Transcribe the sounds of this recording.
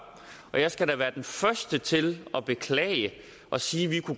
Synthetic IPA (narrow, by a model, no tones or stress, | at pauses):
ɒ̽jɑ̈ɪsɡ̥æɾ̥æʋæːɐd̥enfɶɐsd̥ət͡sʰe̝lɒ̽b̥e̝kʰlɛ̰ɪə | ʔɒ̽siːʋikʰu